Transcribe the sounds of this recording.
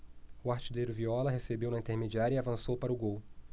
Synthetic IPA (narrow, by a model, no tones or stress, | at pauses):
ʊaɾt͡ʃid̪ejɾʊviɔlɐɦesebewnɐĩnt̪eɾmed͡ʒiaɾjɐiavɐ̃sowpaɾɐʊɡow